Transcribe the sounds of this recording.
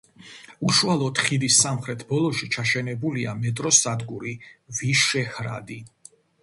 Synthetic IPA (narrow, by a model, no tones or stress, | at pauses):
uʃualˠɔd̪χid̪isːamχɾɛt̪ʰbɔlˠɔʃit͡ʃʰaʃɛnɛbuliamɛt̪ʼɾɔsad̪ɡuɾiviʃɛhɾa̰d̪i